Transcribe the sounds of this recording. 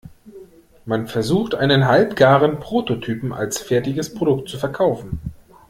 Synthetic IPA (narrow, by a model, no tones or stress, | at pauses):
manfɛɐzuːxtʔaɪnənɦalpɡ̥aːʁənpʁ̥oːtotʰyːpm̩a̰lsfɛɐtɪɡəspʁ̥odʊk̚t̚t͡sufɛɐkʰaʊfn̩